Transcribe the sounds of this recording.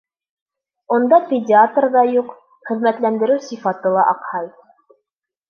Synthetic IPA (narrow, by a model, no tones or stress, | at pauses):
und̪ɑpʲɪdʲɪat̪rðɑjuq | χɘ̆ðmæt̪lænd̪ɘ̆ɾɘwsifɑt̪ɤlˠɑʔɑqhɑj